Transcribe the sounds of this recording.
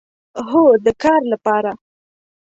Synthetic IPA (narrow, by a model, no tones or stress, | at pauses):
ɦod̪əkɑɾlapɑɾa